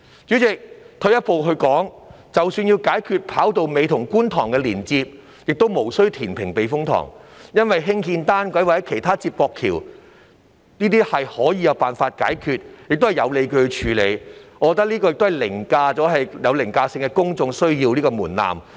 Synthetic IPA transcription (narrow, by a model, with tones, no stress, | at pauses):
t͡ʃyː˨˥t͡sɪ˨k̚t̪ʰɵ˧ɥjɐ˥t̚po˨wɦɵ˧ɥkɔː˨˥ŋ | t͡sɐ˨wsyː˧njiː˧wkaː˨˥jkʰyː˧t̚pʰaː˨˥wt̪o˨˧wme˨˧jt̪ʰʊ˨˩ŋkuː˥nt̪ʰɔː˨˩ŋkɛ˧liː˨˩nt͡siː˧p̚ | jɪ˨k̚t̪wmo˨˩wsɵ˥ɥt̪ʰiː˨˩npʰɪ˨˩ŋpe˨jfʊ˥ŋt̪ʰɔ̰ː˨˩ŋjɐ˥nwɐ˨jɦɪ˥ŋhiː˧nt̪aː˥nkʷɐ˨˥jwaː˨˩hɐ˨˦jkʰe˨˩jt̪ʰaː˥t͡siː˧˥p̚pːɔː˧kʰiː˨˩w | niː˥t̪iː˥hɐ˨jhɔː˨˥jiː˧jɐ˨˧wpaː˨nfaː˧t̚ka̰ː˨˥jkʰyː˧t̚jɪ˨k̚t̪hɐ˨˩jɐ˨˧wle˨˧jkɵ˧t͡ʃʰyː˨˧le˨˧jɔ˧kɔ˧t̪̬ːk̚lniː˥kɔː˧jɪ˨k̚t̪ɦɐ˨˩lɪ˨˩ŋkaː˧t͡sɔː˨˥ɦɐ˨jjɐ˨˧wlɪ˨˩ŋkaː˧sɪ˧ŋkɛ˧kʊ˥ŋt͡sʊ˧ŋsɵ˥ɥjiː˧wliː˥kɔː˧muː˨˩nla̰ː˨˩m